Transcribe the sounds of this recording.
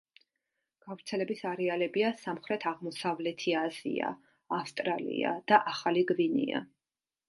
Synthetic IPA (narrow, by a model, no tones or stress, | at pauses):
ɡ̥avɾt̪sʰɛlɛbisaɾɛalɛbiasamχɾɛt̪ʰaʁmɔsavlɛt̪ʰiaz̥ḭa̰ː | fst̪ʼɾalḭa̰d̪̥aʔaχaliɡvinḭa̰